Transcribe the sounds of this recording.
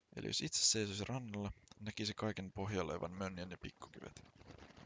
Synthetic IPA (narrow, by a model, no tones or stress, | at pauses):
elḭjo̞sit̪sesːe̞jsosirʔɑnːɑlːɑnækisekɑjkenpo̞ɦjɑlḛʋɑ̰nmønjænjɑpikːu̥k̟yʋḛt̪